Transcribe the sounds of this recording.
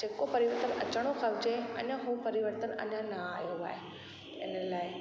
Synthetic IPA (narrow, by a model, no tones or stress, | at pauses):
d͡ʑeːkopɐɾɪʋəɾt̪ənɐ̰t͡ɕəɽ̃oxɐʋd͡ʑeɐ̰ɲəɦuːpɐɾɪʋəɾt̪ənɐ̰ɲãnaaːɦijoʋa̰ːe | ɪnəlaːɪ